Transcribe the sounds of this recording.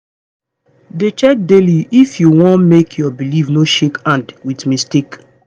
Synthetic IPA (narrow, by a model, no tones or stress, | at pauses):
det͡ʃɛk̚deliifjuwɔ̃nmekʰjɔbilivnoʃekãndwitmistek